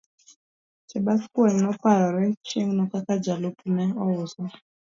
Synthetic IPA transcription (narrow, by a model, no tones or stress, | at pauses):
t͡ʃɛɓaskwɛŋnɔpaɾɔɾɛt͡ʃeŋnɔkakad͡ʒalopunɛɔwusɔ